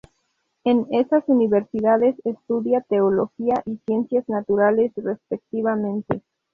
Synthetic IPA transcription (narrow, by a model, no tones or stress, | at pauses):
e̞nesasuniβeɾsiðaðe̞sest̪uðjat̪eolo̞xiaʔisje̞nsjaznat̪uɾale̞srespek̚t̪iβamẽnt̪e